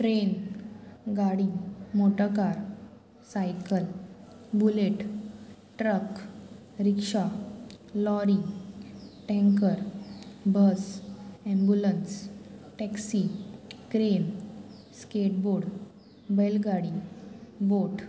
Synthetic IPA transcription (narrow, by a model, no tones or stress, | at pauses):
ʈɾen | ɡaɽimoʈəkaɾ | sajkəl | buleʈ | ʈɾək | ɾikʂa | lɔɾi | ʈɛ̃ŋkəɾbəsɛ̃mbjulənsʈɛksikɾen | skeʈ̚boɽ | belɡaɽi | boʈ